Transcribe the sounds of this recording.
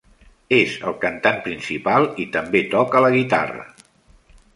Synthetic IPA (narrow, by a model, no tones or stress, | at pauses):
ezəlˠkənt̪anpɾinsipalˠit̪əmbet̪ɔkələɣit̪a̰rə̰